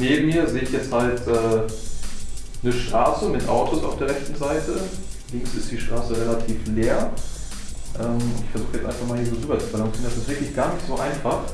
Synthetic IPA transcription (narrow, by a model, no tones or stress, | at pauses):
neːbm̩miːɐzeːɪçjɛt͡sthaltʔɛː | nəʃtʁ̥aːsəʊntdeːnʔa̰ʊtʰosaʊfd̥eːɐʁɛçtn̩zaɪtʰəlɪŋksɪstd̥iːʃtʁ̥aːsəʁelatʰiːfleːɐ | ʔɛːmʊntɪçfɛɐzuːxəjɛt͡sʔaɪnfaχmalhiːɐzoːʁyːbɐt͡subalaŋsiːʁəndasɪstvɪɐklɪçɡ̥aːɐnɪçtz̥oːʔaɪnfaχ